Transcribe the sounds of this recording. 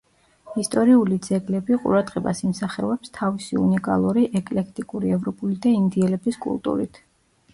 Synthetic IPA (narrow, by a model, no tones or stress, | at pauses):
ist̪ʼɔɾiulid̪z̥ɛɡlɛbiqʼṵɾad̪ʁɛba̰simsaχɛɔɛpst̪ʰavisiṵnikʼa̰lˠuɾiʔɛkʼlɛk̚ʰt̪ʼikʼuɾiɛvɾɔpʼulid̪aind̪iɛlɛbiskʼṵlˠt̪ʼṵɾḭt̪ʰ